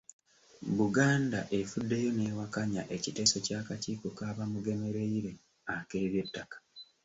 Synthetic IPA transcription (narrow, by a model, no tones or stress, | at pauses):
buɡaːnda̰ʔe̞fudːe̞jo̞ne̞ːwakaɲaʔe̞cite̞ːsocaːkaciːkokaːβamuɡe̞me̞ɾe̞iɾe̞ | ake̞ːβje̞tːakḁ